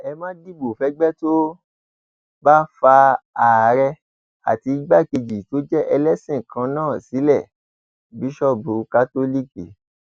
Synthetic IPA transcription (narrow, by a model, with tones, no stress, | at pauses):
ɛ˧mãː˦di˦˨bo˨fɛ˨˦ɡ͡bɛ˦to˦ | ba˦fa˧a˨ɾɛ˧ | a̰˨ti˧˦ɡ͡ba˦˨ke˧d͡ʒi˨to˨˦d͡ʒɛ˦ʔɛ˧lɛ˦sĩ˦˨kã˧nãː˦˨si˨˦lɛ˦˨ | bi˨˦ʃɔ˦˨bu˨˦ka˦to˦li˦˨kḭ˨